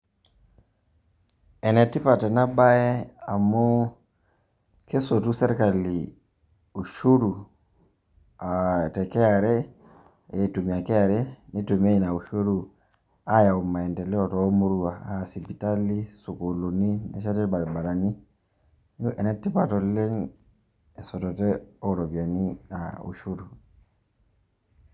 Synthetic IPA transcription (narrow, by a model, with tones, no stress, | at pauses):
ɛ˨nɛ˨tːi˦pa˨tɛ˨na˦ba˦ɛ˦a˨mo˦ | kʰe˦so˨tu˦sɛ˦ɾka˨li˨ | u˨ʃu˦ɾu˨ | a˨tɛ˨kɛ˦a˨ɾɛ˦ | e˨tu˨mi˨a˨kɛ˦a˨ɾɛ˦ni˦to˨me˦i˨na˨u˨ʃo˦ɾu˦ | a˦ja˨umːa˨ɛ˨ntɛ˨lɛ˦ɔtɔ˦moɾuwa˨asipi˨taliso˨koloni˦nɛ˨ʃa˦tɛ˦ba˨ɾbaɾani˦ | ʔɛ˨nɛ˦tːi˦patɔlːɛ˦ŋ | ɛ˨sɔ˨tɔtɛɔ˦ɾɔ˨bi˨a˨nia̰ṵ˨ʃu˦ɾu